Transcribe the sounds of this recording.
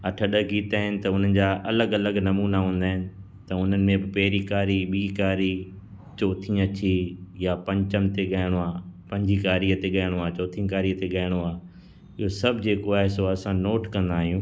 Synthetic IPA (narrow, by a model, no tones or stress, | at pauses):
ɐʈʰəɗəɡiːt̪aːɦɪnɪ̆t̪ɐʊn̤ənɪ̆d͡ʑaːʔɐləɡɐləɡnɐmuːnaɦũːn̆d̪aːɦɪnɪ̆ | t̪ɐʊn̤ənɪ̆mẽbɪpɛːɾikaːɾiɓiːkaːɾi | t͡ɕoːt̪ʰĩɐt͡ɕʰijapɐ̃ɲt͡ɕəmt̪eɠaːɪɽ̃oaːpɐ̃ɲd͡ʑikaːɾiət̪eɠɐːɪɽ̃oaːt͡ɕoːt̪ʰĩkaːɾiət̪eɠaːɪɽ̃oaː | ɪɦosɐbʱd͡ʑeːkoaːɦɪsoɐsãnoːʈkɐ̃nd̪aːɦijũː